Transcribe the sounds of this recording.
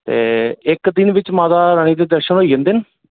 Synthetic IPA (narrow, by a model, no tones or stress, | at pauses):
t̪ḛːɪkd̪ɪnʋɪt͡ʃmaːd̪aːɾəɽ̃iːd̪eːd̪əɾʃənɦoːiːd͡ʒə̃nd̪eːnə